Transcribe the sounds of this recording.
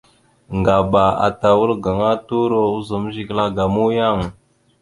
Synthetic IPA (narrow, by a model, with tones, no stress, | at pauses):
ŋɡa˨ba˨a̰˨ta˨wu˦lɡa˨ŋa˦tu˦ɾo˦u˦zə˨m˦ʒi˨kla˦ɡa˨mu˦ja˦˨ŋ˨